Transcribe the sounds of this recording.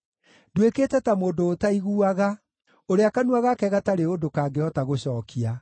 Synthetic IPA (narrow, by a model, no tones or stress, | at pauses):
dwekeːtɛtamoːndoːtaiɣuaɣa | oɾeakanuaɣakɛɣataɾeodokaːɡeɔtaɣoɕɔːkʰia